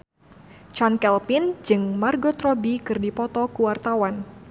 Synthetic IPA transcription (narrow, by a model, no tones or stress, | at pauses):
t͡ʃɔnkɛlpɪnd͡ʒɨŋmarɡot̪ɾɔbikɨrdipɔt̪ɔkuwart̪awan